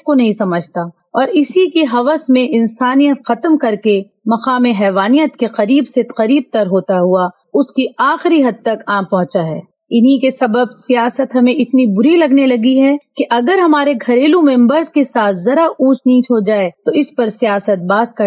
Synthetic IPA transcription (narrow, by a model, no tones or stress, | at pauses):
konɐɦĩsɐməd͡ʒʱt̪a | ɔːɾɪsikiɦɐʋəsmẽʔɪnsaːnijət̪xɐt̪əmkɐɾke | mɐqaːmeɦɛːʋaːnijət̪keqɐɾiːbset̪qɐɾiːb̚t̪ɐɾɦoːt̪aɦua | ʊskiaːxɪɾiɦɐd̪̚t̪ɐkãːmpɐ̃ɦʊ̃t͡ʃaɦɛ̰ː | ɪnɦikesɐbəbsijaːsət̪ɦɐmẽɪt̪nibʊɾilɐɡnelɐɡiɦɛkeʔɐɡəɾɦɐmaːɾeɡʱɐɾeːlũmẽmbəɾzkesaːt̪ʰzɐɾaʔũːt͡ʃniːt͡ʃɦod͡ʒaːet̪oɪspɐɾsijaːsət̪̚baːskɐ